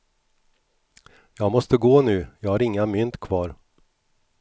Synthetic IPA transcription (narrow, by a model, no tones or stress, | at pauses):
jɑːɡmɔst̪əɡoːnʉ̟ːjɑːɡhaɾɪŋːamʏnt̪kʰvɑːɾ